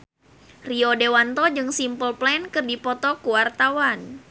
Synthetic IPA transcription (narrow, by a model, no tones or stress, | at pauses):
riɔdewant̪ɔd͡ʒɨŋsimpəlplɛnkɨrdipɔt̪ɔkuwart̪awan